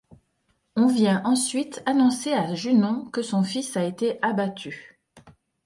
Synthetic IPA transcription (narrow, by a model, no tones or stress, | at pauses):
ɔ̃vjɛ̃ʔɑ̃sɥit̪anɔ̃seaʒynɔ̃kəsɔ̃fisaet̪eʔabat̪ʰy